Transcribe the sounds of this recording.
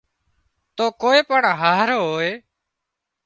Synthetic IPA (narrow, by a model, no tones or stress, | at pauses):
t̪oːkoːeːpəɳɦaːɾɦoːeː